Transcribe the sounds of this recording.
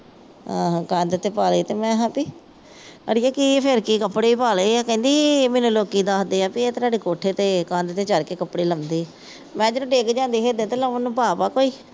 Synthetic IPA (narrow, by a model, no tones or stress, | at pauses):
ãːkãːnd̪et̪eːpaːleːt̪eːmɛ̃ːɦãːpiː | ə̰ɽɪjaːkɪpʰɪɾkikəpːɽeːipaːleaːkɛ̃ːnd̪iːmeːnũːloːkiːd̪aːsd̪eːãːpieːt̪aːɖeːkoːʈʰeːt̪eːkãːnd̪t̪eːt͡ʃəɾkeːkəpːɽeːləmd̪iː | mɛ̃ːd͡ʒõʈeːkd͡ʒãːnd̪iːɦeːd̪eːt̪eːləmənːũːpaːpaːkoːiː